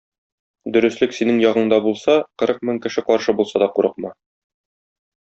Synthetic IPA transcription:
d̪ɵ̆ɾɘ̆slɘksinɘŋjɒʁɤ̆ɴd̪ɑbulˠsɑqɤ̆ɾɤq̚mɵŋkɘ̆ʃɘqɒɾʃɤbulˠsɑd̪ɒquɾɤ̆qmɑ

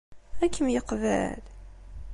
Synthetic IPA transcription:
ækʰːəmjəqvæ̰l

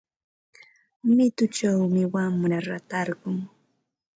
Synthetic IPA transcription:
mɪt̪ʊt͡ʃawmɪwammʊɾaɾat̪ɑɾɢʊŋ

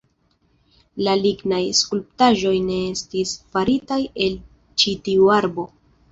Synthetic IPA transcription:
laliɡnajskulp̚taʒo̞jne̞e̞stisfaɾitaje̞l | t͡ʃitiuaɾbo̞

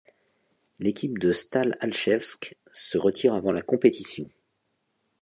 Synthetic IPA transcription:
lekʲip̚d̪əst̪alalʃɛfsk | səʁət̪ʰiʁavɑ̃lakɔ̃pet̪isjɔ̃

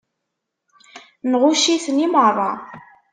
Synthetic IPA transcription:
nʁʊʃiθnimərˤɑ̰

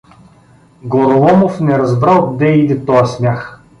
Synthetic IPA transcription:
ɡoɾolˠɔmofnɛɾɐzbɾalˠɡd̪ɛid̪ɛt̪ɔjɐsmʲjax

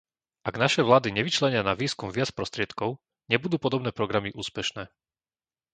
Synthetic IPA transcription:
ʔaɡnaʃɛʋlaːd̪iɲɛʋit͡ʃlɛɲɪanaʋiːskumʋɪat͡spɾɔst̪ɾɪɛt̪kɔʊ | ɲɛbud̪uːpɔd̪ɔbnɛːpɾɔɡɾamiʔuːspɛʃnɛː

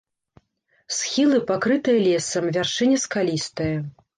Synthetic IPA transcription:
sxʲilˠɨpakɾɨt̪ɨjɐlʲɛsɐmvʲarʂɨnʲɛskalʲist̪ɐjɐ

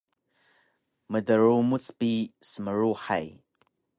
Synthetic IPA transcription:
mədəɾumut͡sʼpisəməɾuħa̰j

